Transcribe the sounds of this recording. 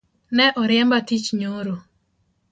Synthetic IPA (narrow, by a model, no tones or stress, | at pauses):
nɛʔɔɾɪɛmbatit͡ʃɲoɾo